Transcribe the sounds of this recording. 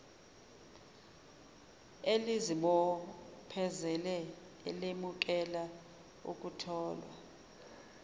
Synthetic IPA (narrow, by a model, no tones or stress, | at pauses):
elizimɔpʰɛzɛlɛ | ɛlemuk̬ɛla | ṵk̬ʼutʰɔːlwa̰